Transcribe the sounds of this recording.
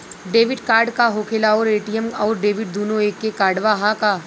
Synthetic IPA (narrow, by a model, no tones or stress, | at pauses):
ɖeːʋɪɖkaːɾɖkaɦoːkʰelaɔːɾeːʈiəmɔːɾɖeːʋɪɖd̪oːnõeːkːekaːɾɖʋaɦakaː